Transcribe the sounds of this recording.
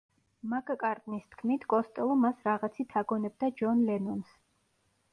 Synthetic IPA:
makakʼaɾt̪ʼnist̪ʰkʰmit̪ʰkʼɔst̪ʼɛlˠɔmasɾaʁat̪sʰit̪ʰaɡɔnɛb̚d̪ad͡ʒɔnlɛnɔns

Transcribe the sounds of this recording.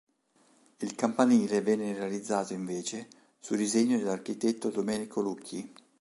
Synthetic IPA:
ilkampaniːlevɛnːerealid̪zːaːt̪oiɱveːt͡ʃe | sud̪izeɲːod̪elarkit̪et̪ːod̪omɛːnikʰolukʰːi

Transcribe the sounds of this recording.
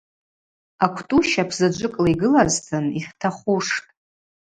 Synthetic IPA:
akʷʰtʼuʃapʰzad͡ʒʷɨkʼlaiɡɨlaztʰɨniχʲtʰaχuʂtʼ

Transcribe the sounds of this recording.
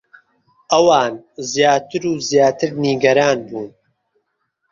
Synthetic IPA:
ʔɐwaːnzjaːt̪ʰɨɾuːzjaːt̪ʰɨɾniːɡɐɾaːnbuːn

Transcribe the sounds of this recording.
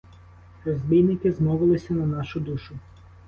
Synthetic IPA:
ɾɔzʲbʲijnɪkɪzmɔʋɪlˠɪsʲɐnɐnɑʃʊd̪uʃʊ

